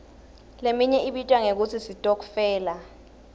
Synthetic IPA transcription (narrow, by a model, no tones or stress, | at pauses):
lemiɲɛʔiɓitʼwaŋek̬ut͡sʰisitʼok̬u̥fɛːla